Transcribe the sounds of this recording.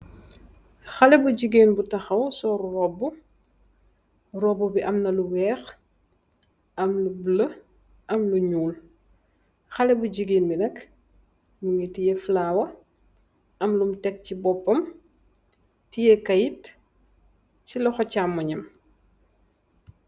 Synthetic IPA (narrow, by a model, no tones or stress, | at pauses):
xɐlɛbuɟiɡeːnbutɐxɐwsɔːɾurɔbːu | rɔbːubiʔɐmnɐluwɛːx | ɐmlublɐ | ʔɐmluɲuːl | xɐlɛbuɟiɡeːnbinɐk | muŋetijɛflaːwɐ | ɐmlumtɛk̚cibɔpːɐm | tijɛkɐjit | cilɔxɔcamːɐɲɐm